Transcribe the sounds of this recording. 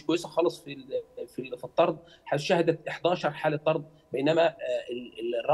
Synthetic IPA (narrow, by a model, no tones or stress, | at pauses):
ʃkwæjːesæxɑːlesˤfilfifit̪ˤːɑɾˤd̪ˤ | ħaʃæhæd̪æt̪ʔeħd̪æːʃɑɾˤħaːlet̪ˤːɑɾˤd̪̚ˤ | bejnæmæeelrˤːɑ